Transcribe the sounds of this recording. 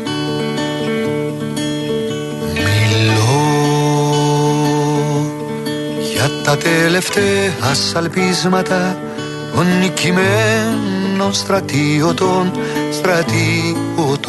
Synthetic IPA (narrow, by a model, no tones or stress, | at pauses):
milo | ʝɐt̪ːɐt̪ele̞ft̪eɐsɐlpizmɐt̪ɐ | onːicime | nonst̪ɾɐt̪iot̪onst̪ɾɐt̪iɣot̪